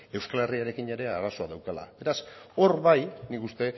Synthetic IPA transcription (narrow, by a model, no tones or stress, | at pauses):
e̞wskale̞riaɾe̞kine̞ɾe̞aɾaso̞aðawkala̰be̞ɾaso̞ɾβajnikust̪e̞